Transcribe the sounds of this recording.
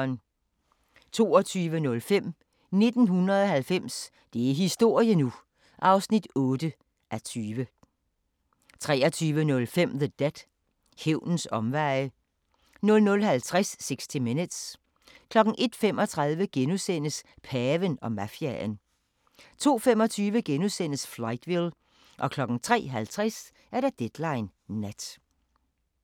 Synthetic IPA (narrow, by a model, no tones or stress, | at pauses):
n | t͡sʰo̝̰ːɒt͡sʰyːʋənɔ̽lfem̰ | ne̝d̥n̩ɦunʁɐðˠɒ̽hælfem̰s | d̥e̝æɦisd̥o̝ɐ̰jənu | ʔɑ̈ʊsnid̥ɔ̽ːd̥ə | ʔæt͡sʰyːʋə | t͡sʰʁɛ̰ːɐt͡sʰyːʋənɔ̽lfem̰ðəd̥ed̥ | heʊ̰nn̩sɒ̽mʋɑ̈ɪə | nɔ̽lnɔ̽lɦælt͡sʰʁasːe̝ɡ̥sd̥ʰiminəd̥s | kʰlɒ̽ɡ̥ŋ̩ʔe̝d̥fem̰ɒ̽t͡sʰʁɑ̈ðˠʋəɡ̥enusen̰əspʰɛːʋənɒ̽mæfiæn | t͡sʰo̝̰ːfem̰ɒ̽t͡sʰyːʋəɡ̥enusen̰əsflɑ̈ɪd̥ʋil | ʔɒ̽kʰlɒ̽ɡ̥ŋ̩t͡sʰʁɛ̰ːɦælt͡sʰʁɛs | ʔæɐɾ̥æd̥ed̥lɑ̈ɪnːæd̥